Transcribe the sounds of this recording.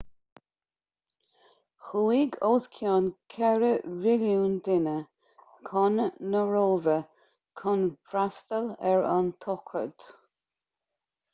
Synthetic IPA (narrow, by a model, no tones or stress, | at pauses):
xuiːɡoːskʰjaːnkʰɛɹəvɪljuːnd̪ɪnə | kʰɔnːəɹoːvə | kʰɔnfɾast̪əlɛɹɑ̰nt̪ʰɔkʰɹə̰d̪̥